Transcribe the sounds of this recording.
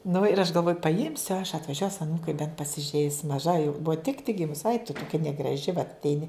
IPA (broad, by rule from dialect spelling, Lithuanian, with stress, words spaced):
nʊ ɪr ɐʃ ɡɐlˠˈʋoːjʊ pɐˈɪmʲsʲʊ ɐʃ ɐtʋɐˈʒʲuɔs ɐˈnuːkɐɪ bʲɛnt pɐsʲɪˈʒʲɛɪs mɐˈʒɐ jɛʊ ˈbʊʋɐ tʲɪk tʲɪk ˈɡʲɪmʊs ɐɪk tʊ toːˈkʲɛ nʲɛɡrɐˈʒʲɪ ʋɐt ɐtʲˈɛɪnʲɪ